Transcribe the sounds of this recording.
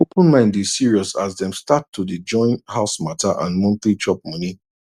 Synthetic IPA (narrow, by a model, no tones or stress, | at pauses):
opə̃nmãɪ̃ndesiɹiɔsazdɛ̃mstatʰːudid͡ʒɔ̃ɪ̃nthaʊsmatʰaʔã̰nmɔ̃nθlit͡ʃɔp̚mɔni